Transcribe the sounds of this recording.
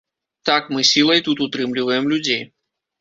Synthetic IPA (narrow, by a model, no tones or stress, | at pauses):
t̪akmɨsʲilˠɐjt̪ut̪ʊt̪ɾɨmlʲɪvəjəmlʲʊdʲej